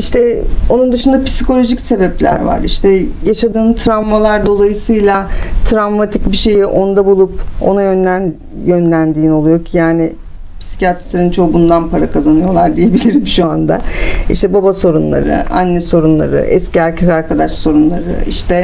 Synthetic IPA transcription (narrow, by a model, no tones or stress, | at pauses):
iʃt̪ʰɛo̞nund̪ɯʃund̪api̥sikʰo̞lʲo̞ʒicse̞bɛplʲæ̰ɾva̰ɾḭʃt̪ʰɛjaʃad̪ɯːnt̪ʰɾavmalˠaɾd̪o̞lˠajɯsɯjlˠat̪ʰɾavmat̪ʰicbiʃe̞jiʔo̞nd̪abulˠupo̰najønæn | jønlʲænd̪iːno̞lˠujocʰjaːnɪ | pʰi̥si̥cʰiat̪ɾ̥seɾint͡ʃʰo̞bund̪anpaɾakʰazanɯjo̞lˠaɾd̪ije̞bilʲiɾimʃuand̪a̰ḭʃt̪ɛbabaso̞ɾunlˠa̰ɾɯ̰a̰nːɛso̞ɾunlˠa̰ɾɯ̰ʔɛ̰sciaɾcʰekaɾkad̪aʃso̞ɾunlˠaɾɯ̰ḭʃt̪ʰɛ